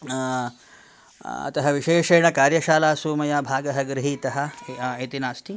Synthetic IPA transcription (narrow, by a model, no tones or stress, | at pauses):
ɐ̰t̪ɐɦɐʋiʃeːʃɐːɳɐkaːɾjɐʃaːlaːsuːmɐjaːbʱaːɡɐɦɐɡɾɪɦiːt̪ɐɦɐ̆eːt̪inaːsʈ̪ʰi